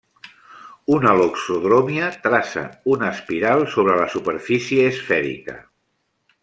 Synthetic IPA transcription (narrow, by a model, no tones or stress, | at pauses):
unəloksoðɾomiət̪ɾasə̰unəspiɾalˠsoβɾələsupəɾfisiəːsfɛɾḭkə̰